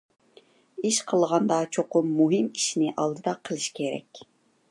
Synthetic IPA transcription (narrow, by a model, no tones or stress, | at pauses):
iʃqʰəlˠʁɑnd̪ɑt͡ʃʰoqʊmːuɦɨmiʃnɪʔɑlˠd̪ɨd̪ɑqʰəlˠɨʃkʲʰeɾɛ̰kʲ